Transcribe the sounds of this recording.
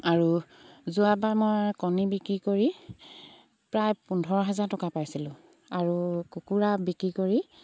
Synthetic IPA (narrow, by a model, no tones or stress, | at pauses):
aɹu | zuabaɹmojkɔnibikɹikoɹi | pɹajpundʱɔɹɔɦɛzaɹtɔkapajsilʊ̃ | aɹukukuɹabikɹikoɹi